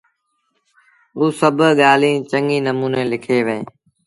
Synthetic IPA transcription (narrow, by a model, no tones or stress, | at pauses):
ɦuːsəbʱɠaːlĩːt͡ʃəŋiːnəmuːneːlɪkʰeːʋẽː